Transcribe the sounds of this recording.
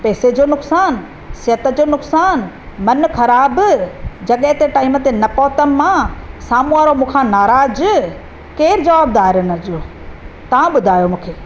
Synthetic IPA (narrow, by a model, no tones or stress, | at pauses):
pɛːsed͡ʑoːnʊksaːn | sɪjət̪ə̆d͡ʑoːnʊksaːn | mɐn̆xɐɾaːbd͡ʑɐɠəɦɪ̃t̪eʈaːɪmət̪enɐpɔːt̪əmːãsaːmuaːɾomũːkʰãnaːɾaːd͡ʑʊ | keːɾd͡ʑɐʋaːb̚d̪aːɪɾənəd͡ʑoː | t̪ɐʋ̤ãɓʊd̪ʱaːjomũːkʰeː